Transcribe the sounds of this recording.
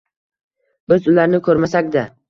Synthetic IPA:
bɪzʊlaɾnɪkʰɵɾmasakʲd̪a

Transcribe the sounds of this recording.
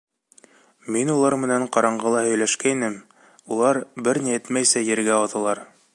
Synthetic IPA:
minulˠɑɾmɘ̆næɴqɑɾɑɴɢɤlˠɑhɵ̆jlæʃkæinɘm | ulˠɑɾbɘɾniɘt̪mæjsæjɘ̆ɾɡæɑðɤ̆lˠɑɾ

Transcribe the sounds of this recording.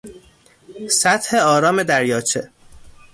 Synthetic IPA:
sæt̪he̞ɒːɾɒːme̞d̪æɾjɒːt͡ʃʰe

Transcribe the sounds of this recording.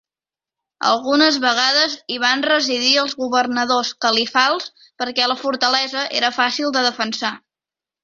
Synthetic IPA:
ə̰lˠɣunəzβəɣ̞aðəziβ̞anrəziðiəlˠzɣuβərnəðoskəlifalˠs | pəɾkɛləfuɾt̪əlɛzəʔḛɾəfasilˠd̪əðəfənsa

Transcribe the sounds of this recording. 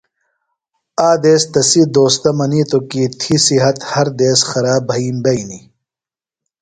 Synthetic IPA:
aːd̪eːst̪ɐsid̪oːst̪ɐmɐniːt̪okiːt̪ʰisiɦɐt̪hɐɾd̪eːsxɐɾaːbʱɐiːmbɐini

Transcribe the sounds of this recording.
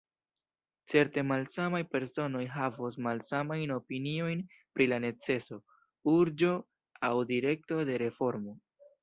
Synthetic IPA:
t͡se̞ɾte̞malsamajpe̞ɾso̞no̞jɦavosmalsamajno̞pinio̞jn | pɾilane̞t͡se̞so̞ | uɾd͡ʒo̞ | awdiɾe̞k̚to̞de̞ɾe̞fo̞ɾmo̞

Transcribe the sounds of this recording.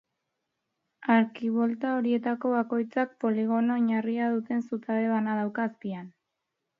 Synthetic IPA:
aɾkiβo̞lt̪ao̞ɾie̞t̪ako̞βako̞jt͡sak̚po̞liɣo̞noɲariaðut̪e̞nsut̪aβe̞βanaðawkaːspian

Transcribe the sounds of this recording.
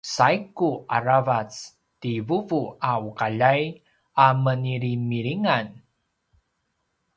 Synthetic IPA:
sajkuʔaɾavat͡s | tivuvuaukaʎaj | aməniɾimiɾiŋan

